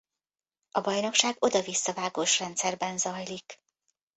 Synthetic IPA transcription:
ɒbɒjno̞kʃaːɡo̞d̪ɒvisːɒvaːɡoʃrɛnt̪sɛrbɛnzɒjlik

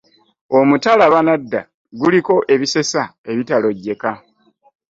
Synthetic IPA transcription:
o̞mutalaβanadːa̰ | ɡuliko̞ʔe̞βise̞sae̞βitalo̞ɟːe̞ka

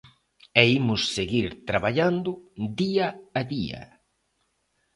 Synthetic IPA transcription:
ɛimʊsːeɣiɾt̪ɾaβaʎand̪ʊd̪iaaðiɐ̰

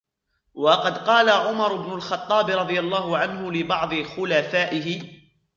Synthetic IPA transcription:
wɑqɑd̪qɑːlaʕʊmɑɾˤɪbnʊlxɑt̪ˤːɑːbɪɾˤɑd̪ˤɨjalˤːɑːɦʊʕanɦʊlɪbɑʕd̪ˤɨxʊlafaːʔɪɦɪ

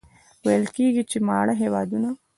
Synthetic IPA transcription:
wajəlkeɡit͡ʃemɑ̰ːɽaɦewɑd̪una

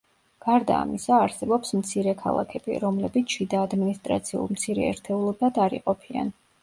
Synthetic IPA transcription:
ɡ̥aɾd̪a̰ːmisaːɾsɛbɔpsmt̪sʰiɾɛkʰa̰lˠa̰kʰɛb̥ḭɾɔmlɛbit̪sʰʃid̪aːd̪minist̪ʼɾa̰t̪sʰiṵlˠmt̪sʰiɾɛ̰ɛ̰ɾt̪ʰɛulˠɔbad̪aɾḭqʼɔpʰia̰n

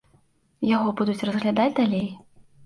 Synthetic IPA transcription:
jaɣɔbud̪ut͡sʲrɐzɣlʲad̪ad͡zʲd̪alʲej

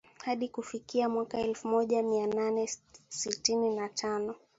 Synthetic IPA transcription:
haɗikufikiamwakaɛlfumɔʄamiananɛsitininatʰanɔ

